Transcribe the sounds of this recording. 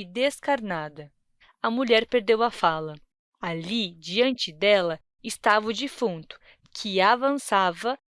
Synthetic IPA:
d̪eskaɾnad̪ɐ | ɐmuʎɛɾpeɾd̪ewɐfalɐ | alid͡ʒiɐ̃nt͡ʃɪd̪ɛlɐ | ɪst̪avɐd͡ʒifũnt̪ʊ̥ | kʰɪavɐ̃savɐ

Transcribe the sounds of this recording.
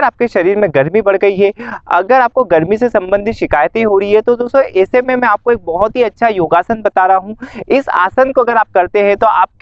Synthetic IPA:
əɾaːp̚keʃɐɾiːɾmẽɡɐɾmibɐɽ̤ɡɐiɦɛɐ̰ɡəɾaːp̚koɡɐɾmisesɐ̃mbə̃nd̪ʱɪt̪ʃɪkaːjət̪ɦĩɦoɾɐɦiɦɛt̪od̪oːsõʔɛːsemẽmɛ̃aːp̚koeːk̚bɐɦʊt̪ɦiɐtːʃʰajoːɡaːsənbɐt̪aːɾɐaɦũɪsa̰ːsənkoɐɡəɾaːp̚kɐɾt̪eɦɛ̃t̪oa̰ːp̚

